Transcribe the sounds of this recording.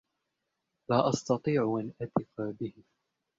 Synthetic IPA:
laːʔɑst̪ɑt̪ˤiːʕʔanʔat̪ɪfabɪhɪ

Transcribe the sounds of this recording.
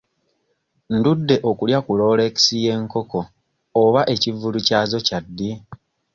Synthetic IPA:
ndudːe̞ʔokuljakulo̞ːle̞ːci̥sije̞ŋko̞ko̞ː | βaʔe̞civulucaːzo̞cadːi

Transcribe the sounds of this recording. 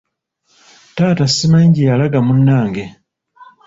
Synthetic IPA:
taːtasimaɲɟijalaɡamunːaːŋɡe

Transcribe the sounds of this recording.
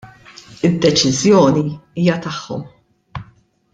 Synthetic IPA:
ɪd̪ːɛt͡ʃɪzjɔːniiːjɐt̪ɐħːɔ̰m

